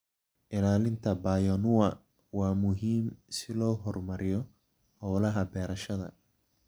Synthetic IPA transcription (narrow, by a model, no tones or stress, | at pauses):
ʔɪlaːlɪnt̪ʰɐbaːjɔnʊwɐ | wɑːmʊɦiːmsɪlɔːɦɔrmɐɾɪjɔ | hɔːlɐɦɐbɛːɾɐʃɐðɐ̰